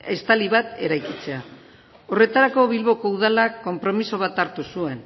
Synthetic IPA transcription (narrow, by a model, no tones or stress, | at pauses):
est̪aliβat̪e̞ɾajkit͡se̞a | o̞re̞t̪aɾako̞βilβo̞ko̞uð̞alakːo̞mpɾo̞misoβ̞at̪aɾt̪usue̞n